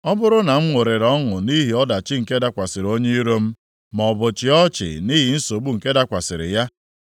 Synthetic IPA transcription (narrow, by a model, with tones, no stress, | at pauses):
ɔ˦bʊ˦ɾʊ˦na˨m̩˦ŋʷo˨ɾe˨ɾɔ˦ŋʊ˨ni˦ɦi˨ɔ˦da˨t͡ʃɪ˦ŋ̩˨ke˦da˦kʷa˨sɪ˨ɾo˦ɲe˦i˦ɾo˦m̩˦ | mɔ˨bʊ˨t͡ʃɪ˨ɔ˦t͡ʃɪ̰˨ni˦ɦi˨n̩˦so˨ɡ͡bu˦ŋ̩˨ke˦da˦kʷa˨sɪ̰˨ɾɪ̰˨ja˦